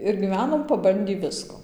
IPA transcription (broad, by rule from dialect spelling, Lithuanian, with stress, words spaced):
ɪr ɡʲiːˈʋʲæːnoːm pɐˈbɐnʲdʲiː ˈʋʲɪskoː